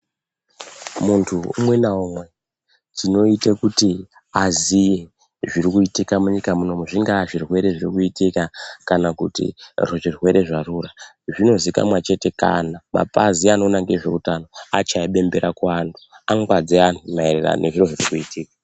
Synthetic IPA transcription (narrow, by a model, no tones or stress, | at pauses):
muntʰuṵmwe̞naumwe̞ | tino̞itekuti | azije | ʐirikuitikamuɲikamuno̞muʐiŋɡaʐirwe̞ɾe̞ʐirikuitikakanakutḭroʐirwe̞ɾe̞ʐaruːra | ʐino̞zika̰mwat͡ʃe̞te̞ka̰nama̰paziano̞naŋɡeʐe̞utano̞at͡ʃaiɓe̞mbe̞ɾakwaːndu̥aŋɡwad͡zianumaerera̰nʔe̞ʐiroʐirikuitiːkḁ